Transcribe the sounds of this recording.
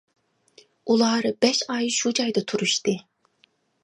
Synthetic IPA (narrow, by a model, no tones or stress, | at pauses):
ulˠɑːɾɨbɛʃɑjʃud͡ʒɑjd̪ɑt̪ʰuɾuʃt̪ɨ